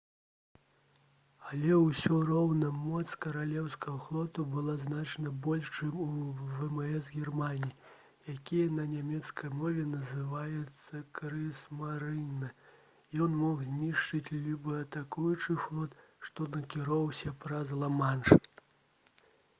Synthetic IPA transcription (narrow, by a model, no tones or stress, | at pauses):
ɐlʲɛwsʲɔɾɔwnɐmɔt̪skɐɾalʲɛwskɐɣɐxlˠɔt̪ubɨlˠaznat͡ʂɐnɐbɔlʲʂt͡ʂɨmuvɛmɛɛsɣʲɛrmanʲiji | jakʲijɐnɐnʲamʲɛt̪skɐjmɔvʲɛnɐzɨvajɛt̪sːɐkɾɨsmaɾɨnːɐ | jɔnmɔɣzʲnʲiʂt͡ʂɨt͡sʲlʲibɨɐt̪akujut͡ʂɨxlˠɔt̪ | ʂt̪ɔnɐkʲiɾɔwsʲɐpɾɐzlˠɐmanʂ